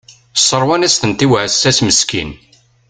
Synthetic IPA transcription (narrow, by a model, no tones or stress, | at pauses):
sˤːəɾˤwanæsθənt̪iwʕəsːæsməskḭn